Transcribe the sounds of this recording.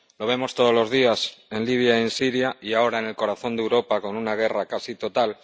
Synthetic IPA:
lo̞β̞e̞mo̞st̪o̞ð̞o̞lo̞zð̞iase̞nliβ̞jaie̞nsiɾjaiao̞ɾaene̞lko̞ɾaθo̞nd̪ewɾo̞pako̞nunaɣ̞e̞rakasit̪o̞t̪al

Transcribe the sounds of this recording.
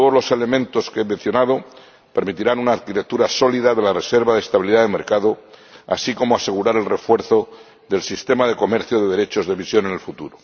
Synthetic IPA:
t̪oðolo̞se̞le̞mẽnt̪o̞skeemẽ̞n̟θjo̞nað̞o̞ | pe̞ɾmit̪iɾanunaːðkit̪e̞k̚t̪uɾaso̞liðaðe̞lare̞seɾβaðest̪aβiliðaðeme̞̰ɾkaðoa̰siko̞moase̞ɣuɾaɾe̞lre̞fwe̞ɾθo̞ | ðe̞lsist̪e̞mað̞e̞ko̞me̞ɾθjoðe̞ð̞eɾe̞t͡ʃo̞zðe̞βisjo̞nene̞lfut̪uɾo

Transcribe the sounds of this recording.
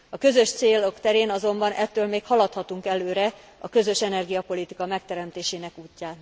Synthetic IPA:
ɒkø̞zø̞ʃt̪seːlo̞kt̪ɛɾeːnɒzo̞mbɒnʔɛt̪ːøːlmeːkhɒlɒt̪hɒt̪uŋkɛløːɾɛ | ɒkø̞zø̞ʃɛnɛrɡijɒpo̞lit̪ikɒmɛk̚t̪ɛɾɛmt̪eːʃeːnɛkuːcːaːt̪

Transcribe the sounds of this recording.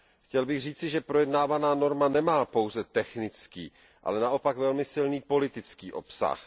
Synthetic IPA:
xcɛlbɪɣr̝iːt͡sɪʒɛpɾojɛdnaːvanaːno̞ɾmanɛmaːpo̞wzɛt̪ɛxnɪt͡skḭː | ʔa̰lɛnaʔo̞pakvɛlmɪsɪlniːpo̞lɪt̪ɪt͡skḭːʔo̞̰psa̰x

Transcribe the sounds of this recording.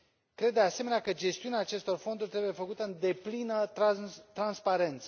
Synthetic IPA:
kɾed̪̚d̪ease̞meneakəd͡ʒe̞st̪iuneaːt͡ʃe̞st̪o̞rfo̞nd̪urʲt̪ɾebuje̞fəkut̪əɨnd̪e̞plinə | t̪ɾanspaɾe̞nt̪sə

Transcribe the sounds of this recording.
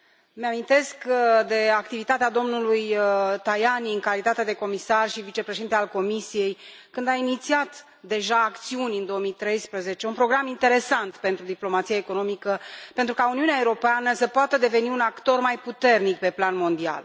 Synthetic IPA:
meamint̪e̞skd̪e̞ak̚t̪ivit̪at̪ead̪o̞mnulujt̪ajaniɨŋkalit̪at̪ed̪e̞ko̞misarʃivit͡ʃe̞pɾeʃeint̪ealko̞misije̞j | kɨnd̪ainit̪siat̪ | d̪e̞ʒaːkt̪siunʲɨnd̪o̞omit̪ɾe̞jspɾəze̞t͡ʃe̞unpɾo̞ɡɾamint̪e̞ɾe̞sant̪pe̞nt̪ɾud̪iplo̞mat̪sijaeko̞no̞mikəpent̪ɾukauniuneaeuɾo̞peanəsəpoat̪əd̪e̞ve̞niunakt̪o̞rmajput̪e̞rnik̚pe̞planmo̞nd̪ia̰l

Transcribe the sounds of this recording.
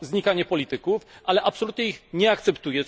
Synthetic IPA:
zɲikaɲɛpɔlʲit̪ɘkufʔalɛʔapsɔlut̪ɲɛixɲɛakt̪sɛpt̪ujɛ

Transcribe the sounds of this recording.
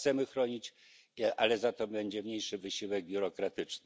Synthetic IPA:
t̪sɛmɘxɾɔɲit͡ɕ | ʔalɛzat̪ɔbɛɲd͡ʑɛmɲejʂɘvɘɕiwɛɡ̚bʲjuɾɔkɾat̪ɘt͡ʂnɘ

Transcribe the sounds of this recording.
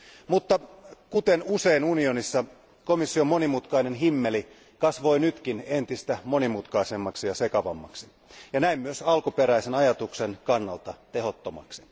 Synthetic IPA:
mut̪ːɑkut̪enuse̞inunio̞nisːɑ | komisːio̞mo̞nimut̪kɑine̞nɦimːeli | kɑsʋo̞inyt̪kine̞nt̪ist̪æmo̞nimut̪kɑise̞mːɑksijɑsekɑʋɑ̰mːɑ̰ksi̥ | jɑnæimmyøsɑlkupeɾæisenɑjɑt̪uksenkɑnːɑlt̪ɑt̪eɦo̞t̪ːomɑ̰ksi̥

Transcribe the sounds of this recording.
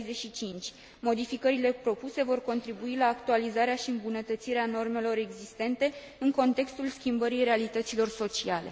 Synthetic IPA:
jzeʃit͡ʃint͡ʃʲ | mo̞d̪ifikəɾile̞pɾo̞puse̞vo̞rko̞nt̪ɾibuilaːkt̪ualizaɾeaʃiɨmbunət̪ət̪siɾeano̞rme̞lo̞ɾe̞ɡzist̪e̞nt̪e̞ | ɨŋko̞nt̪e̞kst̪ulskʲimbəɾijɾe̞alit̪ət̪silo̞rso̞t͡ʃiale̞̰

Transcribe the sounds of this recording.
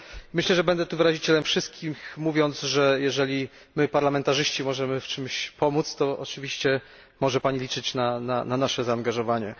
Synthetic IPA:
mɘɕlɛʐɛbɛnd̪ɛt̪uvɘɾaʑit͡ɕɛlɛmfʂɘst̪̚kʲixmuvʲjɔnt̪zʐɛjɛʐɛlʲi | mɘpaɾlamɛnt̪aʐɘɕt͡ɕimɔʐɛmɘft͡ʂɘmɕpɔmut̪st̪ɔʔɔt͡ʂɘvʲiɕt͡ɕɛ | mɔʐɛpaɲilʲit͡ʂɘt͡ɕnanananaʂɛzaːnɡaʐɔvaɲɛ

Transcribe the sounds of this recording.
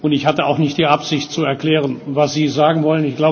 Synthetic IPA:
ʔʊntɪçhatəa̰ʊxnɪçt̚d̥iːʔapz̥ɪçtt͡suɛɐkl̥ɛːʁ̞ənvasz̥iːzaːɡŋ̩vɔlənɪçɡ̥laʊ

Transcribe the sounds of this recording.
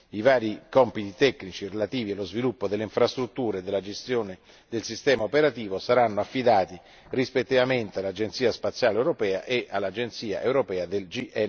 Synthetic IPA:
ivaːɾikɔmpit̪it̪ɛkːnit͡ʃirelat̪iːvialozvilupːod̪elːeiɱfɾast̪ɾut̪ːuːɾed̪ːelːad͡ʒest̪joːne | d̪elsist̪ɛːmaopeɾat̪iːvosaɾanːoafːid̪aːt̪i | rispet̪ːivament̪ealːad͡ʒent̪siːaspat̪sjaːlewɾopɛːa̰ʔeʔalːad͡ʒent̪siːa̰ʔewɾopɛːad̪eld͡ʒiʔɛ

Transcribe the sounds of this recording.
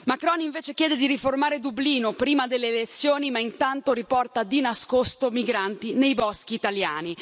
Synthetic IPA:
makɾɔniɱveːt͡ʃekjɛːd̪ed̪iɾiformaːɾed̪ubliːnopɾiːmad̪elːeːlet̪sːjoːnimaint̪ant̪oɾipɔrt̪ad̪inaskost̪omiɡɾant̪inejbɔsk̟iːt̪aljaːni

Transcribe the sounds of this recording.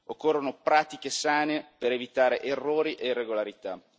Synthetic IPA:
okːorːonopɾaːt̪ik̟esaːnepeɾevit̪aːɾeʔerːoːɾiʔeirːeɡolaɾit̪a

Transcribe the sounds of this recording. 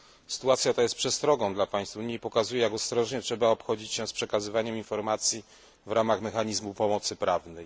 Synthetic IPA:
sɘ̥t̪uat̪sʲjat̪ajɛst̪pʂɛst̪ɾɔɡɔ̃w̃d̪lapaj̃st̪fuɲipɔkazujɛjaɡɔst̪ɾɔʐɲɛtʂɛbaɔpxɔd͡ʑit͡ɕɕɛspʂɛkazɘvaɲɛminfɔɾmat̪sʲji | vɾʔamaxmɛxaɲizmupɔmɔt̪sɘpɾavnɛj

